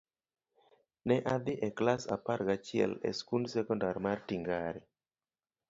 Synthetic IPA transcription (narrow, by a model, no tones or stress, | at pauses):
nɛʔad̪ɪʔɛklasa̰paɾɡat͡ʃɪɛ̰lɛ̰skundsɛkɔndarmartiŋɡaɾi